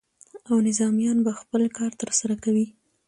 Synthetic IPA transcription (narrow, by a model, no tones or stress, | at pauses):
awnɪzɑmjɑnbaxpəlkɑɾt̪əɾsaɾakawi